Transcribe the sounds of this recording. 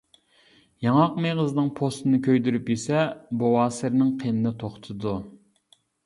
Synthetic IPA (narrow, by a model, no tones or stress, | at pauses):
jɑŋɑqmeʁəznɨŋpʰost̪ɨnɨkʲʰøjd̪yɾypjesɛbowɑːsɪɾnɪŋqʰenɨnɪt̪ʰoχt̪ʰɨd̪u